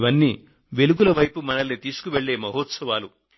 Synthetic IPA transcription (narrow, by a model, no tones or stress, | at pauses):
ʋɐnːi | ʋe̞luɡulɐʋɐjpumɐnɐlnit̪iːsu̥kuʋe̞ɭːe̞ːmɐɦoːt̪sɐʋaːlu